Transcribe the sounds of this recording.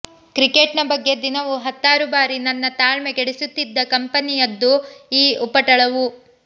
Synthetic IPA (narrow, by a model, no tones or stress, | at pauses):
kɾikeʈnɐbɐɡːe̞d̪inɐʋuɦɐt̪ːaːɾubaːɾinɐnːɐt̪aːɭmeɡeɽisut̪ːid̪ːɐkɐmpɐnijɐd̪ːuiːupːɐʈɐɭɐʋu